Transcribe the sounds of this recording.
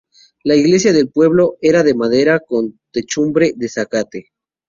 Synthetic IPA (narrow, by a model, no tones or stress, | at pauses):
laiɣle̞sjaðe̞lpwe̞β̞lo̞e̞ɾaðe̞maðe̞ɾako̞nt̪e̞t͡ʃumbɾe̞ðe̞sakat̪e̞